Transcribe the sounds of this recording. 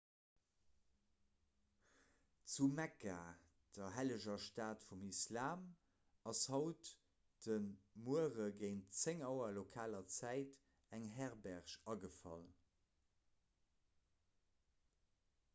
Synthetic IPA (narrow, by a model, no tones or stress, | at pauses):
t͡sumækaː | d̥ɐɦæləʑɐʃtaːtfumislaːm | ɑshɑʊt | d̥ənmuəʁəɡeɪntt͡seŋɑʊɐlokʰaːlɐt͡sæɪt | æŋɦæʁbæʁʃɑɡəfɑ̰l